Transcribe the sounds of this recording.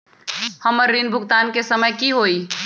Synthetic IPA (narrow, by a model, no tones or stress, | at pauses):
həməɾːinbʱuɡt̪ankesəməjkiɦoj